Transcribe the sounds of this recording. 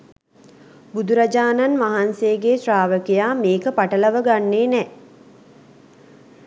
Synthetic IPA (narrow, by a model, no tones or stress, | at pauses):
bud̪uɾad͡ʒaːnanʋaɦanseəɡeːsraːʋəkejaːmeːkəpaʈələʋəɡanːeːnɛ